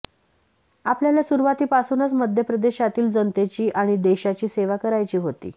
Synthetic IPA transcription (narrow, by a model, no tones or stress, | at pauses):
apljaljasuɾuʋat̪iːpasuːnət͡sməd̪ʱjəpɾəd̪eɕat̪iːld͡zənt̪et͡ɕiːʔaɽ̃id̪eɕat͡ɕiːseʋakəɾajt͡ɕiːɦot̪ḭː